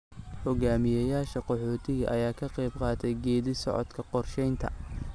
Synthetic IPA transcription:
hɔɣaːmɪjɐjaːʃɐqɔħɔːt̪ʰɪɣɐʔɐjaːkʰɐqɛjbqɑːt̪ʰɛjɡɛːðɪsɔ̰ʕɔ̰d̪kʰɐqɔrʃɛjnt̪ʰɐ̰

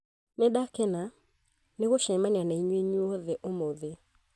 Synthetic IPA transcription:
neɗakɛna | neɣoʃɛmanianaiɲweɲuɔðɛʔomoðe

